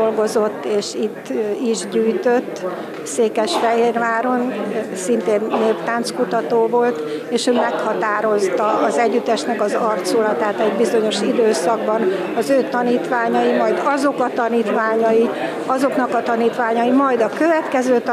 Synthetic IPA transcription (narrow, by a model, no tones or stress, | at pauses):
olɡo̞zo̞t̪ːeːʃit̪ːiʒɟyːjt̪øt̪ː | seːkɛʃfɛɦeːrʋaːɾo̞nsint̪eːnːeːpt̪aːnt̪skut̪ɒt̪oːvo̞lt̪eːʃøːmɛkhɒt̪aːɾo̞st̪ɒːzɛɟːyt̪ɛʃnɛkɒzɒrt̪solɒt̪aːt̪ɛɟbizo̞ɲo̞ʃid̪øːsɒɡbɒn | ɒzøːt̪ɒniːt̪ʋaːɲɒjimɒjd̪ɒzo̞kɒt̪ɒniːt̪ʋaːɲɒji | ɒzo̞knɒkɒt̪ɒniːt̪ʋaːɲɒjimɒjd̪ɒkøvɛt̪kɛzøːt̪